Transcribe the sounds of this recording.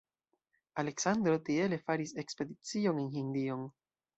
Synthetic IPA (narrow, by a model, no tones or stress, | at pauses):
ale̞ksand̪ɾo̞t̪ie̞le̞faɾise̞kspe̞d̪it͡sio̞nenɦind̪io̞n